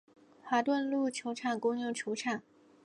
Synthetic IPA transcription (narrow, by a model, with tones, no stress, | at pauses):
xwa˧˥t̪wə˥˧nlu˥˩t͡ɕʰjo˧˥ʊʈ͡ʂʰa˥˩ŋkʊ˥ŋjʊ˥˩ŋt͡ɕʰjo˧˥ʊʈ͡ʂʰa˥˩ŋ